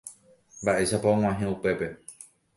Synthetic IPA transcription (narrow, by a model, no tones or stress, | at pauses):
mbaʔe̞ʃapaõŋ̃ãɦẽupe̞pe̞